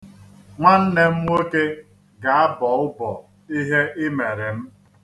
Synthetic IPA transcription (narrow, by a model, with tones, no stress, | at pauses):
ŋʷa˦n̩˦ne˦m̩˦wo˦ke˦ | ɡa˨a˦bɔ˨ʊ˦bɔ˨ | i˦ɦe˦ʔɪ˦me˨ɾe˨m̩˦